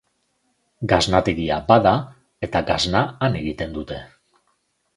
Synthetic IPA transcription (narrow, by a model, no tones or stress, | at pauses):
ɡaznat̪eɣiabaða | e̞t̪aɡaznaːne̞ɣit̪e̞nd̪ut̪e̞